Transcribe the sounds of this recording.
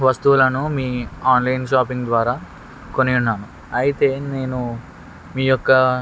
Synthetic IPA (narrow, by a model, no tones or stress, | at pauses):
ʋɐst̪ulɐnumiːaːnlɐjnʃ̬aːpiŋɡd̪ʋaːɾaː | konijunːaːnu | ɐjit̪e̞ːne̞ːnu | miːjɔkːɐ